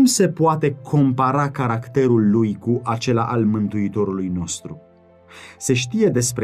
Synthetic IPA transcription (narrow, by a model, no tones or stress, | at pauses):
mse̞poat̪e̞kʰo̞mpaɾakaɾakt̪e̞ɾulːujkuʔat͡ʃe̞la̰ʔalmɨnt̪uit̪o̞ɾulujno̞st̪ɾu | se̞ʃ̬t̪ije̞d̪e̞spɾ